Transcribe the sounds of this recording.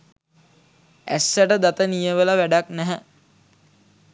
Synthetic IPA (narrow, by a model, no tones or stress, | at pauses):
æ̰sːæʈəd̪at̪ənijəʋəlaʋæɖaknæɦɛ